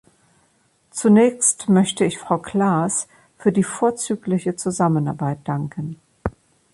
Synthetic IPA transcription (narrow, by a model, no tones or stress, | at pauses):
t͡sunɛːçstmœçtəɪçfʁ̥aʊkʰl̥aːs | fyːɐdiːfoːɐt͡syːklɪçət͡suzamənaɐbaɪt̚d̥aŋkʰən̩